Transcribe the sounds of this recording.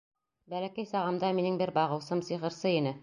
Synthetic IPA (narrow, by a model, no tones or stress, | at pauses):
bælækæjsɑʁɑ̆md̪ɑminɘŋbɘɾbɑʁɤ̆wsɤmsiʁɤ̆ɾsɤinɘ